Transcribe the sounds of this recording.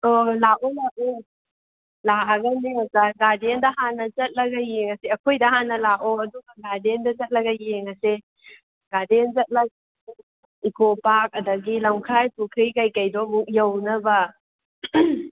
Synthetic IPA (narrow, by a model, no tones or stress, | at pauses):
olaʔɔlaʔo | laɐɡɐnimɐsaɡadendɐɦanɐzɐt̚lɐɡɐjeŋɐseɐkʰojdɐhanːɐlaʔoɐduɡɐɡadendɐzɐt̚lɐɡɐjeŋɐse | ɡ̥adenzɐt̚lɐk̚ | ikʰopak̚ɐdɐɡilɐmkʰajpukʰɾijkɐjkɐjdɔmukjɐwnɐbɐ